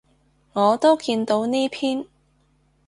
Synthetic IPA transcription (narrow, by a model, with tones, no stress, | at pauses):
ŋɔː˨˧t̪o˥wkiː˧nt̪o˧wneː˥pʰiː˥n